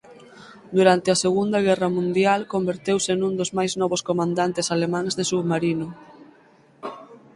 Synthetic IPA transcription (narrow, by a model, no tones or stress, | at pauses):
d̪uɾant̪ɪaseɣund̪ɐɣ̞ɛrɐmũnd̪jalkombeɾt̪ewsenũnd̪ʊzmajznɔβoskomãnd̪ant̪esalemãŋzðesuβmaɾinʊ